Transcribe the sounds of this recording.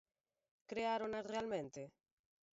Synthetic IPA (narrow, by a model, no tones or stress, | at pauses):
kɾeaɾonasrealmẽnt̪e